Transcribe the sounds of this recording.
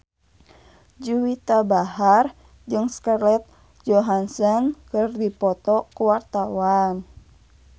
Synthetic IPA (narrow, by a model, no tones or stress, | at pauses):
d͡ʒuwit̪abaɦar | d͡ʒɨŋskarlɛt̪̚ | d͡ʒɔɦansankɨrdipɔt̪ɔkuwart̪awan